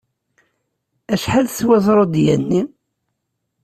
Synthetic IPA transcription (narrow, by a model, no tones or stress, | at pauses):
æʃħalθwæzˤɾˤod̪jænːi